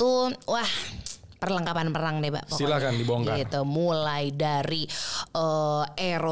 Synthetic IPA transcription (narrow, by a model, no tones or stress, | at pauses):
t̪uwahpərləŋkapanpəɾaŋdɛba̰ʔpasilakandiboŋkait̪umulajdaɾiəeɾo